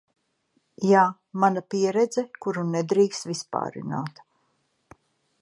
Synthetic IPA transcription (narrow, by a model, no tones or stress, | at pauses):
jaː | manapiɛɾɛd̪zɛkuɾunɛd̪ɾiːkst̪vispa̰ːɾḭna̰ːt̪